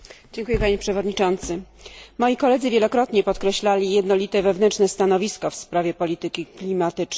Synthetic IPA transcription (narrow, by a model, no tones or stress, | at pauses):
d͡ʑɛŋkujɛpaɲɛpʂɛvɔd̪ɲit͡ʂɔnt̪sɘ | mɔjikɔlɛd̪zɘvʲjɛlɔkɾɔt̪ɲɛpɔt̪kɾɛɕlalʲijɛd̪nɔlʲit̪ɛvɛvnɛnt͡ʂnɛst̪anɔvʲiskɔfspɾavʲjɛpɔlʲit̪ɘkʲiklʲimat̪ɘt͡ʂ